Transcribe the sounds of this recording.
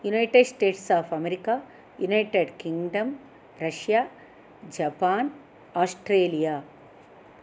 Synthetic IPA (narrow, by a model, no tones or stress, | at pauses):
junaɪʈeɖsʈeːʈsaːfɐmeɾika | junaɪʈeɖkĩŋɡɖɐ̃m | ɾɐʃja | d͡ʒɐpaːn | aːsʈɾeːlijaː